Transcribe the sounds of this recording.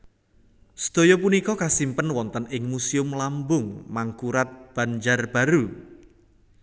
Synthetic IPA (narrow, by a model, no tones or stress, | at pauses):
sə̥d̪̥o̤jɔpunikɔkasimpənwɔnt̪ənɪŋmusiʊmlambʊŋmaŋkuɾat̪̚b̥a̤ɲd͡ʒarb̥a̤ɾu